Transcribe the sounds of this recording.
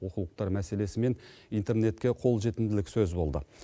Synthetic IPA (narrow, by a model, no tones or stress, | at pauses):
wo̞qəlˠəq̚t̪ɑɾmæse̞le̞sɪme̞nijnt̪e̞rne̞t̪kʲe̞qʰo̞lˠʒe̞t̪ɪnd̪ɪlɪksɵzbo̞lˠd̪ə̰